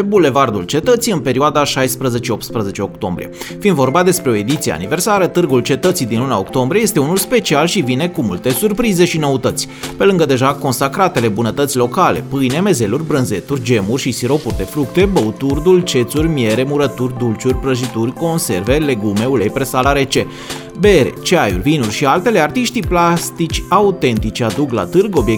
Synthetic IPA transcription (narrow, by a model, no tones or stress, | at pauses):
bule̞vard̪ult͡ʃe̞t̪ət̪sijɨnpe̞ɾioad̪aʃajspɾəze̞t͡ʃeo̞p̚t̪spɾəze̞t͡ʃeo̞kt̪o̞mbɾḭe̞̰ | find̪vo̞rbad̪e̞spɾe̞o̞e̞d̪it̪siea̰nive̞rsaɾət̪ɨrɡult͡ʃe̞t̪ət̪sijd̪inlunaokt̪o̞mbɾijejest̪eunulspe̞t͡ʃialʃivine̞kumult̪e̞surpɾize̞ʃino̞ut̪ət̪sʲpe̞lɨŋɡəd̪e̞ʒako̞nsakɾat̪e̞le̞bunət̪ət̪sʲlo̞kale̞̰pɨjne̞me̞ze̞lurʲbɾɨnze̞t̪urʲd͡ʒe̞murʲʃisiɾo̞purʲd̪e̞fɾuk̚t̪e̞bəut̪urd̪ult͡ʃe̞t̪surʲmje̞ɾe̞muɾət̪urʲd̪ult͡ʃurʲpɾəʒit̪urʲko̞nse̞̰rve̞le̞ɡume̞ulejpɾesalaɾe̞t͡ʃe̞ | be̞ɾe̞̰t͡ʃeajṵrʲvinurʲʃialt̪e̞le̞art̪iʃt̪iplast̪it͡ʃʲaut̪e̞nt̪it͡ʃad̪uɡla̰t̪ɨrɡo̞bje